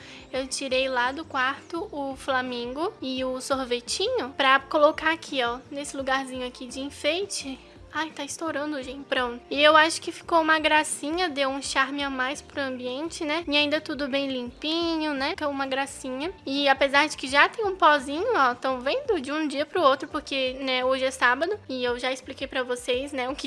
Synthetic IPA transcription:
ewt͡ʃiɾejlad̪ʊkwaɾt̪ʊʔʊflamẽŋɡʊɪʊsoɾvet͡ʃĩɲʊpɾɐkolokaakʰiɔnesɪluɡaɾzĩɲʊakid͡ʒɪĩfejt͡ʃɪ | ajt̪aɪst̪oɾɐ̃nd̪ʊʒẽt͡ʃpɾõʊɪewaʃʊ̥kɪfi̥kowũmɐɡɾasĩɲɐd̪ewũʃaɾmɪamajspɾʊɐ̃mbiẽnt͡ʃɪnɛɪaĩnd̪ɐt̪ud̪ʊbẽj̃lĩpĩɲʊnɛkeũmɐɡɾasĩɲɐɪapezaɾd͡ʒɪkɪʒat̪ẽj̃ũpɔzĩɲʊɔt̪ɐ̃w̃vẽnd̪ʊd͡ʒɪũd͡ʒiɐpɾʊowt̪ɾʊpoɾkenɛoʒɪɛsabɐd̪ʊɪewʒaɪsplikejpɾɐvosejsnɛʊkɪ

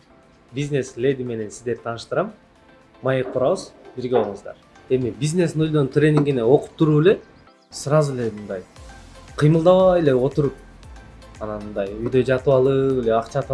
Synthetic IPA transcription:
bʲizʲnʲe̞slʲe̞d̪ʲime̞ne̞nsizd̪e̞ɾt̪ʰɑːnɯʃt̪ɯɾɑmː | ɑjek̚qʰuɾɑβɯzbiɾɡe̞olˠɴɯzd̪ɑ̰ɾ | e̞mibiznʲe̞sinojd̪o̞nt̪rʲe̞nʲiŋɡʲineo̞qu̥p̚t̪uɾuːele̞ | sɯɾɑzulemɯnd̪ɑjqʰɯjmɯlˠd̪ɑβɑele̞o̞t̪uɾup̚ | ɑnɑnmɯnd̪ɑjyjd̪ø̞d͡ʒɑt̪ɯβɑlˠɯele̞ɑqt͡ʃɑt̪

